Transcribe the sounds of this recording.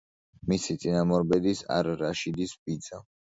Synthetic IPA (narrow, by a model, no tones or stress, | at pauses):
misit̪sʼinamɔɾbɛd̪isa̰ɾɾaʃid̪isbid̪z̥a